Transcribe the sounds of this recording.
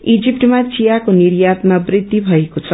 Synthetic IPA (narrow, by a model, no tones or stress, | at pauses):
id͡zip̚ʈmat͡sijakoniɾjat̪̚mabrid̪ibʱʌekot͡sʰʌ